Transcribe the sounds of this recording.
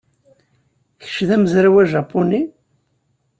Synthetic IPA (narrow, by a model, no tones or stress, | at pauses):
çə̥ʃðæməzɾawæʒɑpːʊni